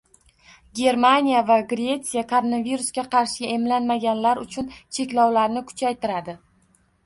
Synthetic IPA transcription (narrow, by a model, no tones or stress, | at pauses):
ɡʲe̞ɾmanijavaɡɾʲe̞t̪sijakʰoɾo̞naviɾʊsɡʲaqʰɑɾʃɪɡʲe̞mlanmaɡʲanlaɾʊt͡ʃʰʊnt͡ʃʰe̞kʲlɒwlaɾnɪkʰʊ̥t͡ʃʰajt̪ɪɾad̪ɪ